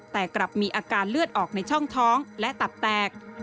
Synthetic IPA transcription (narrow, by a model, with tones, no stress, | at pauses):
t̪ɛː˨˩kɾa˨˩p̚miː˧ʔaː˧kaː˧nlɯ˥˩ət̪̚ʔɔː˨˩k̚na˧jt͡ɕʰɔ˥˩ŋt̪ʰɔː˦˥ŋlɛ˦˥ʔt̪a˨˩p̚t̪ɛː˨˩k̚